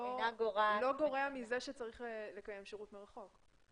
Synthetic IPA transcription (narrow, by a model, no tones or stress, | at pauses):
aɡoʁalo̞ɡo̞ʁeamizeʃet͡saʁiχele̞kaje̞mʃeʁutmeʁaχo̞k